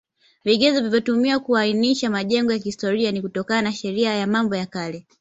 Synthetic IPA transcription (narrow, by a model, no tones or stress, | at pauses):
viɠɛzɔvivjɔtumiwakuainiʃamaʄɛŋɡɔjakihistɔɾianikutɔkananaʃɛɾiajamambɔjakalɛ